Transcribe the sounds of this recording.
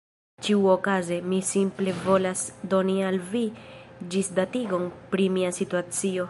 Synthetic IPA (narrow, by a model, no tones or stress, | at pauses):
t͡ʃiuokaze̞misimple̞vo̞lasdo̞nialvid͡ʒisdatiɡo̞npɾimiasituat͡sio̞